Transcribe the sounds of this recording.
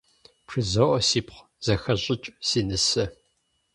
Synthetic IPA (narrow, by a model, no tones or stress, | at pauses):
pʰʂɨzɐʔʷɔsiːpχʷ | z̥ɐxɐɕʼɪt͡ʃʼsiːnɨsɐ